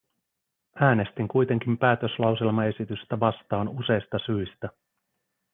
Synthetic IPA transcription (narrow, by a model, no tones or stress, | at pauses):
æːne̞st̪iŋkujt̪e̞ŋk̟impæːt̪ø̞slɑwselmɑe̞sit̪yst̪æʋɑst̪ɑːnuse̞jst̪ɑsyjst̪æ